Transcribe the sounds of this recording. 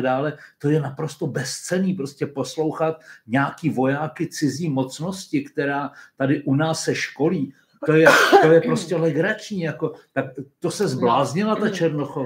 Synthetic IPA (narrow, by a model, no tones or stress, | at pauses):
daːlɛt̪o̞jɛnapɾo̞st̪obɛst͡sɛniːpɾo̞scɛpo̞slo̞wxat̪ɲaːkiːvo̞jaːkɪt͡sɪziːmo̞t͡sno̞scɪkt̪ɛɾaːt̪adɪʔunaːsːɛʃko̞liː | t̪ojɛt̪o̞jɛpɾo̞scɛlɛɡɾat͡ʃɲiːjako̞t̪akt̪o̞sɛzblaːzɲɪlat̪at͡ʃɛɾnoxo